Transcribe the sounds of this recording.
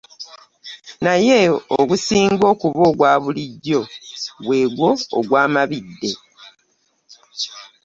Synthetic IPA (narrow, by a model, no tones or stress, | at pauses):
naje̞oɡusiːŋɡo̞ːkuβo̞ːɡwaːβuliɟːo̞βwe̞ːɡwo̞̰ːɡwaːmaβidːe̞